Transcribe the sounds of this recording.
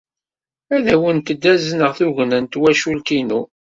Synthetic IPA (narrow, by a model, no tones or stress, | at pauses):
æðæwənt̪əd̪ːæzənəʁθuʝnənt̪wæʃulkinu